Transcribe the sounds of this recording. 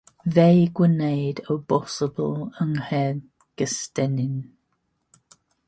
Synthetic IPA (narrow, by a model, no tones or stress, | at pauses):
vejɡwənejdəbɔsəbə̰ləŋhɛ | ɡ̥əstɛnɪn